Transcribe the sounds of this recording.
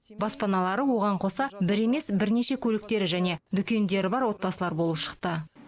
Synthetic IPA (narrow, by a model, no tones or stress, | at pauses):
bɑspɑnɑlˠɑɾəwo̞ʁɑɴqʰo̞sɑbɪɾe̞me̞sbɪɾne̞ʃe̞kʲʰɵlɪk̚t̪e̞ɾɪʒæne̞d̪ʏkʲe̞nd̪e̞ɾɪbɑɾwo̞t̪̚pɑsəlˠɑɾbo̞lˠəpʃə̥qt̪ə